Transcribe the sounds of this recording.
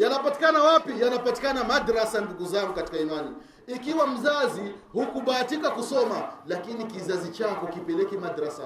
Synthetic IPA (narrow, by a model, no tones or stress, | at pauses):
janapati̥kanawapijanapati̥kanamaɗaɾasanduɡuzaŋɡukati̥kaimani | ikiwam̩zazihukuɓaːtikakusɔmalakinikizazit͡ʃakɔkipɛlɛkimaɗaɾasa